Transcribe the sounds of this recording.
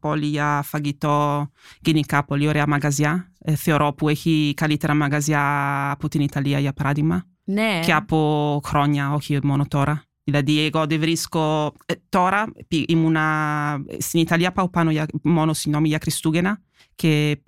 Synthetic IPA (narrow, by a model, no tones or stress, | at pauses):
pɔlijafaɡit̪ɔɡ̥inikapɔlioɾeamaɡazjaθeoɾʔɔpuɛkikalit̪eɾamaɡazjaːput̪init̪aliajapɾad̪ima | nɛkeapokɾɔɲaɔkiomɔnot̪ɔɾa | ilad̪ieɡɔd̪evɾiskot̪ɔɾapiimuna̰ | sinit̪aliapawpanojamɔnosinɔmijakɾist̪uɡena | kʰe